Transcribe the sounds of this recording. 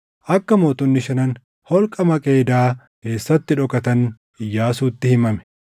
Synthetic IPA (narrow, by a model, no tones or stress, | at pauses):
ʔɐkːɐmoːt̪ʊnːɪʃɐnɐn | hɔlkʼɐmɐkʼe̞ːd̪aː | ke̞ːsːɐt̪ːɪᶑɔkʼɐt̪ɐn | ɪjːaːsuːt̪ːɪhɪmɐmɛ̥